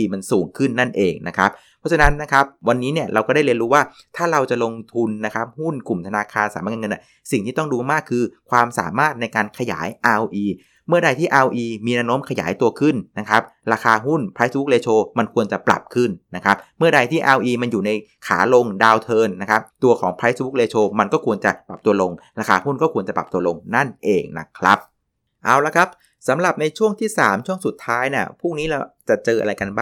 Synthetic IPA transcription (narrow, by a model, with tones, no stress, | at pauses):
i˧ma˧nsuː˨˩˦ŋkʰɯ˥˩nːa˥˩nʔeː˧ŋna˦˥kʰa˦˥p̚ | pʰɔ˦˥t͡ɕʰa˧na˦˥nːa˦˥kʰa˦˥p̚wa˧nːiː˦˥ni˥˩ɐɾa˧wkɔː˥˩daː˥˩jli˧nɾuː˦˥waː˥˩ | t̪ʰaː˥˩ɾa˧wt͡ɕa˨˩lo˧ŋt̪ʰu˧nːa˦˥kʰa˦˥p̚hu˥˩nku˨˩mt̪ʰa˧naː˧kʰaː˧nsaː˨˩˦maː˥˩ka˧ŋɤ˧nʔa̰˧˥˩ | si˨˩ŋt̪iː˥˩t̪ɔ˥˩ŋduː˧maː˥˩kʰːɯː˧kʰwaː˧msa̰ː˩˦maː˥˩t̪̚na˧jkaː˧nkʰa˧ja̰ː˩˦jʔaː˧wʔiː˧ | mɯ˥˩ɐɾa˧jt̪ʰiː˥˩ʔaː˧wʔiː˧miː˧nɛː˦˥wnoː˦˥mkʰa˧ja̰ː˩˦jt̪u˧ɐkʰɯ˥˩nna˦˥kʰa˦˥p̚ɾaː˧kaː˧ɦu˥˩npʰaː˦˥sbu˦˥k̚leː˧t͡ɕʰoː˧ma˧nkʰu˧ənt͡ɕa˨˩pɾa̰˨˩p̚kʰɯ˥˩nːa˦˥kʰɾa˦˥p̚mɯ˥˩ɐda˧jt̪ʰiː˥˩ʔaː˧wʔiː˧ma˧njuː˨˩na˧j | kʰa̰ː˩˦lo˧ŋdaː˧wt̪ʰɤː˧nːa˦˥kʰa˦˥p̚t̪u˧ɐkʰɔ̰ː˩˦ŋpʰa˦˥sbu˦˥k̚leː˧t͡ɕʰoː˧ma˧nkɔː˥˩kʰu˧ənt͡ɕa˨˩pɾa˨˩p̚t̪u˧ɐəlo˧ŋɾaː˧kʰaː˧hu˥˩nkɔː˥˩kʰu˧ənt͡ɕa˨˩pɾa˨˩p̚t̪u˧ɐlo˧ŋna˥˩nʔeː˧ŋna̰˦˥kʰɾa˦˥p̚ | ʔaː˧˩wla˧˥kʰa˦˥p̚ | sa˩˦mɾa˨˩p̚na˧jt͡ɕʰu˥˩əŋt̪ʰiː˥˩sa̰ː˩˦mt͡ɕʰu˥˩əŋsu˨˩t̪ʰːaː˦˥jni˥˩ɐpʰuː˥˩ŋniː˦˥la˧˩t͡ɕa˨˩t͡ɕɤː˧ʔa̰˧ɾa˧jka˧nbaː˥˩